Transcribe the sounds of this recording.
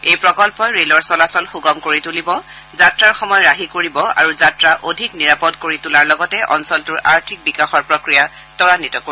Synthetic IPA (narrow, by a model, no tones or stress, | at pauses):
ejpɹɔkɔlpɔɹelɔɹsɔlasɔlxuɡɔmkoɹitulibɔ | zatɹaɹxɔmɔjɔɹaɦikoɹibɔa̰ɹuzatɹaʔodʱikniɹapɔdkoɹitulaɹlɔɡɔtɛʔɔ̰nsɔltʊɹa̰ɹtʰik̚bikaxɔɹpɹɔkɹija | tɔɹanitɔko